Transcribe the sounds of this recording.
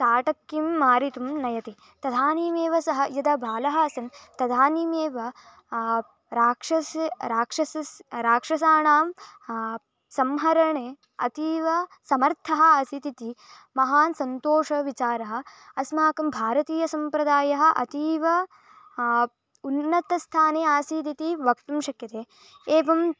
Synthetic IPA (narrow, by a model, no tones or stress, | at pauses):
saːʈɐkːimːaːɾit̪umnɐjɐt̪i | t̪ɐd̪ʱaːniːmeːʋɐsɐɦɐjɐd̪ɐbʱaːlɐɦɐɐsɐnt̪ɐd̪ʱaːniːmeːʋɐ | ɾaːkʂɐsɾaːkʂɐsɐsɾaːkʂɐsaːɳaːm | sɐmɦɐɾɐɳeː | ɐ̰t̪iːʋɐsɐmɐɾt̪ʰɐɦɐ̆ɐsit̪it̪i | mɐɦaːnsɐnt̪oːʂɐʋit͡ʃaːɾɐɦɐ̆ɐsmaːkɐmbʱaːɾɐt̪iːjɐsɐmpɾɐd̪aːjɐɦɐ̆ʔɐ̰t̪iːʋɐ | unːɐt̪ɐst̪ʰaːneːaːsit̪it̪iʋɐk̚t̪ɐmʃɐkjɐt̪eː | eːʋɐm